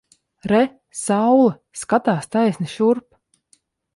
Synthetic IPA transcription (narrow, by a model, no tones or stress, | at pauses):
ɾɛ | sawlˠɨ | skat̪aːst̪ajsʲnʲiʃuɾp